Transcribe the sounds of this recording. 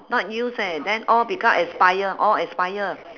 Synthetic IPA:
nɔt̚jusɛdɛ̃nɔlbikãmʔɛ̃spajəʔɔlɛspajə

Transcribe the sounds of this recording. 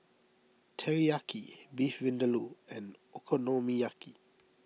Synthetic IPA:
tʰɛɹiakʰibifvɪ̃ndəluɛ̃nɔkʰɔnomijakʰi

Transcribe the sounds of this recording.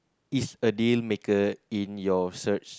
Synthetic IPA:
isədilmekəĩnjɔsət͡ʃ

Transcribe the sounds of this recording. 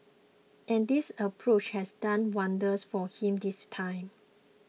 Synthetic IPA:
ʔɛ̃ndisəpʰɹot͡ʃhɛsdãnwãndəsfɔhĩmdistʰãɪ̃m

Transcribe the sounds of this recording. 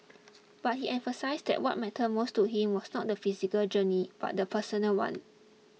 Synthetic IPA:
b̥at̚hiʔɛ̃nfəsaɪsdɛ̰ʔ̚wɔ̰t̚mɛtʰəmostuɦĩmwɔsnɔt̚dəfizikəld͡ʒənib̥a̰t̚dəpʰəsənəlwã̰n

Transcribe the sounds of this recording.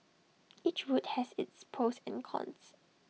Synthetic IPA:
it͡ʃɹuthɛsɪtspʰɹosɛ̰̃nkʰɔ̰̃ns

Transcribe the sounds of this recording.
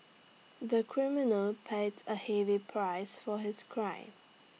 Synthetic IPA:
ðəkʰɹ̥ɪmɪnəlˠpʰeɪdzəhɛvipʰɹ̥aɪsfəɦɪz̥kʰɹ̥ãɪ̃m

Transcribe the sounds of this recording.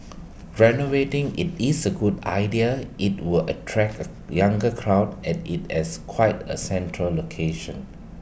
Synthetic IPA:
ɹɛnovetɪ̃ŋḭtisəɡuda̰ɪdiəʔit̚wɪlətʰɹɛkə | jãŋɡəkʰɹaʊdɛ̃nit̚ɛskʰwaɪtə̰sɛ̃ntʰɹəlːokʰeʃə̃n

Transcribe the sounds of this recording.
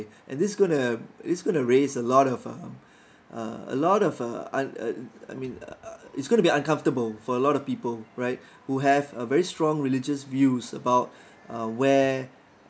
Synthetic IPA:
ʔɛ̰̃ndɪsɡõnudɪsɡõnuɹesəlɔɾɔvʌm | ʔʌ̰ə̰lɔɾɔvʌ̰ã̰n̰a̰jmĩn̰ɪtsɡõntubiãnkãɱftəbəlfɔəlɔɾɔfpiːpəlˠɹaɪt̚ | huɦɛvəvɛɹistɹɔ̃ŋɹilɪd͡ʒəsvjusə̰baʊt̚ | ʌwɛ

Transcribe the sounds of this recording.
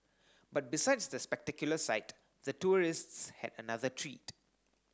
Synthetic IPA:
bat̚bisaɪdsd̪əspɛk̚tɛkjuləsaɪt | d̪ətuɹɪstshɛ̰dənaðətʰɹiːt

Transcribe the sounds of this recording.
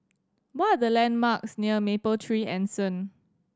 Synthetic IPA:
wɔtadəlɛ̃nmaksniəmepəltʰɹiːʔɛ̃nsə̃n

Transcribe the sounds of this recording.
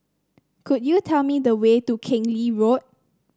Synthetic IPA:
kʰudjutʰɛlmidəwetukʰɪ̃ŋliɹot̚

